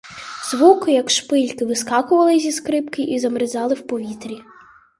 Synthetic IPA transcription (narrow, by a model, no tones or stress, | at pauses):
zʋukɪjɐkʃpɪlʲkɪʋɪskɑkʊʋɐlˠɪzʲiskɾɪpkɪjizɐmɾɪzɑlˠɪwpɔʋʲit̪ɾʲi